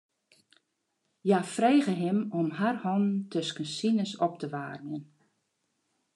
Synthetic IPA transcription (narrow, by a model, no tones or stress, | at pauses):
jafreːɣəɦɪmɔmɦarhɔnn̩tʰøskənsinəsɔp̚təʋaːrmjən